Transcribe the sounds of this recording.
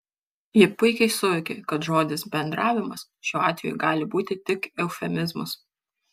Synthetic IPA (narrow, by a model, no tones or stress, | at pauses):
jɪpʊɪkʲɛɪsʊʋʲɪkʲḛkɐt̪ʒoːd̪ʲɪsbʲɛnd̪ɾʔɑːʋʲɪmɐs | ʃʲoːɑːt̪ʲʋʲḛʊɡɑːlʲɪbuːt̪ʲɪt̪ʲɪkɛʊfʲɛmʲɪzmʊs